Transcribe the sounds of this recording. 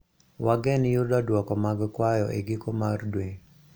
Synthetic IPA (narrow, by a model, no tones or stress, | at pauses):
waɡɛnjʊdadwɔkɔmaɡkwajɔʔeɡɪkomardwe